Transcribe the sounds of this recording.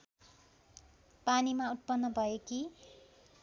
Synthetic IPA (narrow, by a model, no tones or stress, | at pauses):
panimaut̪̚pʌnːʌbʱʌjeki